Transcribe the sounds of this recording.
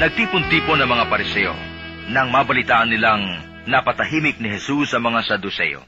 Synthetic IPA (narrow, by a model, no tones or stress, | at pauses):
nɐɡ̚t̪iːpont̪iːponɐŋmɐŋapɐɾɪsɛjo̰ | nɐŋmaːbɐlɪt̪aːʔɐnːɪlaŋ | nɐpɐt̪ɐɦiːmɪk̚nɪɦɛsusːɐmɐŋasɐd̪ʊsɛ̰jo̰